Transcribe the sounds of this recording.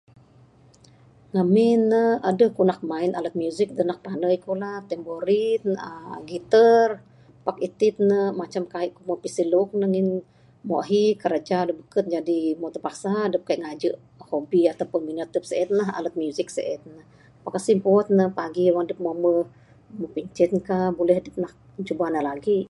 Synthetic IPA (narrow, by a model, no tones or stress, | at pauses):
ŋəmɪnːəadəhkunak̚mainalət̪̚mjuzɪk̚dənak̚panəikulaht̪ɛmboɾinəɡit̪ər | pakit̪ɪt̪̚nəmat͡ʃamkaiʔkumopisiluk̚nəŋin | mo̰ʔɦikəɾad͡ʒadəbəkət̪̚d͡ʒadimot̪əpaksadəp̚kaiʔŋad͡ʒəʔ | hobiat̪awpʊnminət̪əp̚səʔɛt̪laɦa̰lət̪̚mjuzɪk̚sə̰ʔɛt̪̚nəh | pakasimpot̪̚nəpaɡiwaŋdəp̚momə | məpiɲt͡ʃɛt̪kahbolɛhdət̪nak̚ | t͡ʃubanəlaɡi